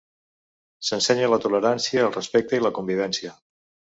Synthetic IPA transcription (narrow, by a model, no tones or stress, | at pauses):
sənsɛɲələt̪uləɾansiəːlˠrəspɛk̚t̪əiləkumbiβ̞ɛnsiə